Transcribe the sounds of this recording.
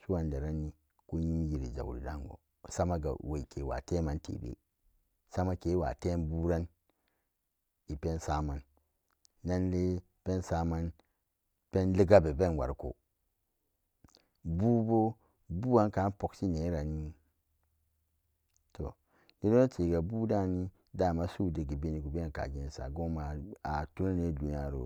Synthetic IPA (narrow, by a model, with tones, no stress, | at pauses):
su˦wa˨nda˨ɾa˦ni˦ | ku˦ɲi˦m˦ji˨ɾi˨za̰˨ɾḭ˨ɾa˦ŋɡo̰˨ | sa˦ma˦ɡa̰˨we˨i˨ke˨wa̰˨te˦ma˦ntʰḛ˨bḛ˦ | sa˦ma˦ke˨˦wa̰˨te˦bu˦ɾa˦n | i˨pe˦nsa˦ma˦nː | a˦nle˦ | pe˦nsa˦ma˦n | pe˦nli˦ɡa˦be˨be˦n˨wa̰˨ɾko̰˨ | bu˦bo˦ | bu˦a˦nka˨˦po˦ksi˦ne˨˦ɾa˨ni˦ | to̰˨ | ni˦do˦na˦t͡ʃe˨ɡa˨bu˦da˦˨ni˦ | da˦˨ma˦su˦de˨ɡi˨be˦ni˨ku˨be˦e˦˨ka̰˨ɡi˨n˨sa̰˨ɡo˦ma˨a˨tu˦na˦ne˦du˨n˦a˦˨ɾo̰˨